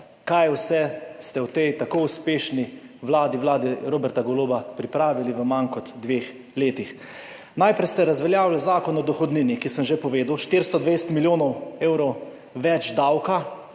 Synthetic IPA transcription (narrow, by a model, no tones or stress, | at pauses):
kajwsɛst̪ɛwt̪ejt̪akouspeːʃniʋlaːd̪iwlaːd̪iɾoːbɛɾt̪aɡɔloːbapɾipɾaːʋiliʋəmankɔt̪ːʋeːx | leːt̪ix | najpɾɛjst̪ɛɾazʋɛljaːwlɛzaːkɔnɔd̪ɔxɔd̪niːnikisəmʒepɔʋeːd̪uwʃt̪ɪɾst̪ɔd̪ʋejst̪miljoːnɔweːwɾɔw | ʋɛt͡ʃd̪awka